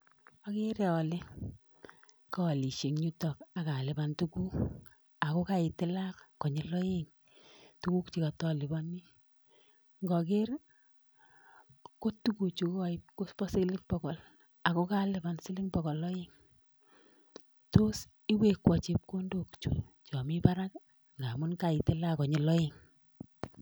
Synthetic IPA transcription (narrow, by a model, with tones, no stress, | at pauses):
ɔ˦ke˦ɾɛ˦ɔ˨lɪ˦ | kaː˦˨li˨ʃe˨ŋɲu˦tɔ˨ka˨ka˨lɪ˨ba˨ntu˦ku˦ | a˨ko˦ka˨ɪ˨tɪ˦la˦kkːɔ˨ɲɪ˨lɔ˦e˦ŋ | tu˦ku˦kt͡ʃi˨ka˨tɔ˦˨lɪ˨ba˦ni˦ | ŋɡɔ˨ke˦r | ko˦tu˦ku˨t͡ʃu˨kɔ˨ɪ˦p̚ko˦spɔ˦sɪ˦klɪ˦ŋpɔ˨kɔ˨l | a˨ko˦ka˦lɪ˨ba˨nsɪ˦lɪ˦ŋpɔ˨kɔ˨lɔ˦je˦ŋ | to˦s | i˦we˦kwɔ˨t͡ʃi˨p̚ko˦ndo˦kt͡ʃṵ˨ | t͡ʃɔ˨mi˦pa˦ɾa˦k | ŋɡa˨mʊ˦nka˨ɪ˨tɪ˦la˦kɔ˨ɲɪ˨lɔ˦je˦ŋ